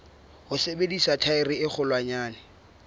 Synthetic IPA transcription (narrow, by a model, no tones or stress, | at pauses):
hʊsebedisatʰaɪrɪɪk͡xʰʊlwaɲaːnɪ